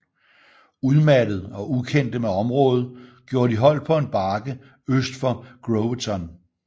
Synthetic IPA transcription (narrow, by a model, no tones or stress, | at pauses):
uð̞ˠmæɾəð̞̩ˠɒ̽ukʰen̰d̥əmeɒ̽mʁɔ̽ːð̩ˠɡ̥jo̝ːɐd̥iɦɒ̽l̰d̥̚pʰɒ̽e̝nb̥ɑ̈ːɡ̥ə | øsd̥fɒ̽ɡ̥ʁot͡sʰɒn